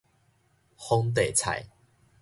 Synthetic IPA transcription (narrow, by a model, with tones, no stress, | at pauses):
hɔ˦˥ŋt̪̬e˨˩t͡sʰa̰˨˩j